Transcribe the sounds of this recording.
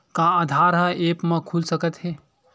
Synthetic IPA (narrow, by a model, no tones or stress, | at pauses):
kãːd̪ʱaɾɦəeːpmẽkʰulsəkət̪ɦe